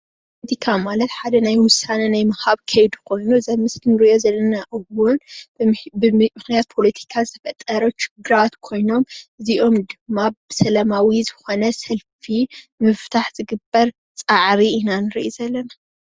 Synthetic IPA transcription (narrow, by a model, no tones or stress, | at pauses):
pʰolet̪ʰikʰamalɐt̪ħad̪ɐnajwʊsanɐnajmɐhaβkʰɐjd̪ukʰo̞jnuzɐmɨskinɨɾiʔo̞zɐlːɐnaʔɨwʊn | bɨmɨxnijat̪̚pʰo̞lɐt̪ʰi̥kʰazɨt̪ʰɐfɐt̪ʼːɐɾɐʃɪ̥ɡɨɾat̪kʰo̞jno̞mʔɨziʔo̞md̪ɨmːabɨsɐlɐmawizɨxo̞nɐsɐlfimɨft̪ʰaħz̥ɨɡɨbːɐɾ | t͡sʼaʕɾiinanɨɾḭʔizɐlːɐna